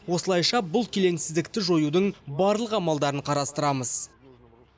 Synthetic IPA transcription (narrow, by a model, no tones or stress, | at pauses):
wo̞səlˠɑjʃɑbʊlˠkʲʰele̞nsɪzd̪ɪk̚t̪ɪʒo̞jud̪əɴbɑɾlˠəqɑmɑlˠd̪ɑɾəɴqʰɑɾɑst̪əɾɑməz̥